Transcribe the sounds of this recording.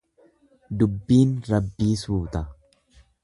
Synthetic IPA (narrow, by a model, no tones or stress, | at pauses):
d̪ʊbːiːnɾɐbːiːsuːt̪ɐ